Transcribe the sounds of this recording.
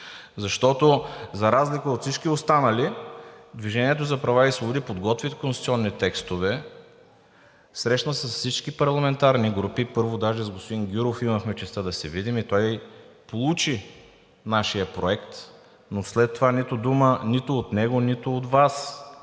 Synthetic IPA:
zɐʃt̪ɔt̪ozɐɾazlikəot̪fsit͡ʃkiost̪anəlid̪viʒɛniɛt̪̬ozɐpɾɐvaisvobʊd̪ipod̪ɡɔt̪vit̪konsit̪ʲiɔnːit̪ɛkst̪ovɛ | sɾɛʃnəsəsfsit͡ʃkipɐɾlˠɐmɛnt̪aɾniɡɾupipɤɾvod̪aʒɛzɡospod̪inɡʲuɾofiməxmɛt͡ʃɛst̪əd̪ɐsɛvid̪imit̪ɔjpolˠut͡ʃi | naʃijəpɾoɛkt̪ | noslɛt̪ːovanit̪ʊd̪umənit̪ʊːt̪nɛɡonit̪ʊot̪vas

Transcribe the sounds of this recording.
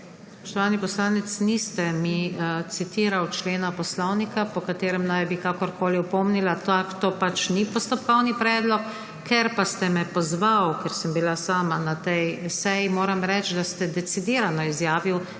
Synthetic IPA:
sspɔʃt̪ɔʋaːnipɔslaːnɛt̪snist̪ɛmit̪sit̪iːɾawt͡ʃleːnapɔslɔwnikapɔkat̪eːɾɛmnajbikaːkɔɾkʰoːliɔpɔmnilat̪akt̪oːpat͡ʃnipɔst̪ɔpkɔwnipɾɛːd̪lɔkːʰ | ɛɾpast̪ɛmɛpɔzʋawkɛɾsəmbilasaːmanat̪ɛjsɛjimoːɾamɾɛt͡ʃd̪ast̪ɛd̪ɛsid̪iːɾanɔizjaːʋiw

